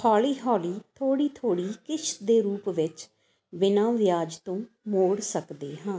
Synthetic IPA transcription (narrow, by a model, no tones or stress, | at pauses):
hɔːliːɦɔːliːt̪ʰoːɽiːt̪ʰoːɽiːkɪʃʰd̪eːɾuːpʋɪt͡ʃ | ʋɪnãːʋɪjaːd͡ʒt̪õː | moːɽsəkd̪eːɦãː